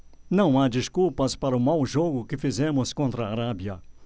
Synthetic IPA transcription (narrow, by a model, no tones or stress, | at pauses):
nɐ̃w̃ad͡ʒiskulpɐspaɾɐʊmawʒoɡʊkɪfizẽmʊskõnt̪ɾɐːɾabiɐ